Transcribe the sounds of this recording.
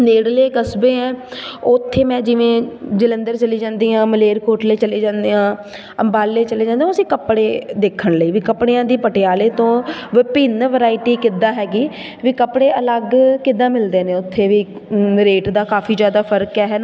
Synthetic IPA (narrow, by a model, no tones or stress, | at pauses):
neːɽleːkəsbeːɛ̃ːʊt̪ʰːeːmɛ̃ːd͡ʒɪʋẽːd͡ʒɪlənd̪əɾt͡ʃəliːd͡ʒãːnd̪iːãːməleːɾkoːʈleːt͡ʃəleːd͡ʒãːnd̪eːãː | əmbaːlːeːt͡ʃəleːd͡ʒãːnd̪ẽjãəsĩːkəpɽeːd̪eːkʰəɳləiːʋiːkəpɽeːãːd̪iːpəʈejaːleːt̪õːʋɪpɪnʋəɾaːɪʈiːkɪd̪aːɦɛːɡiː | ʋiːkəpɽeːələɡkɪd̪ãːmɪld̪eːnẽːʊt̪ʰːeːʋiː | ɾeːʈd̪aːkaːfʰiːd͡ʒjaːd̪aːpʰəɾkɛːɦɛːna